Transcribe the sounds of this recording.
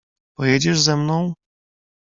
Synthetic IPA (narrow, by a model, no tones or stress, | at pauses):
pɔjɛd͡ʑɛʐzɛmnɔ̃w̃